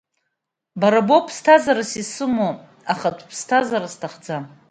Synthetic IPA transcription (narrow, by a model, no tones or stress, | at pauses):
baɾabopʰstʰazaɾasisɨmo | aχatʷʰʼpʰstʰazaɾastʰaχd͡za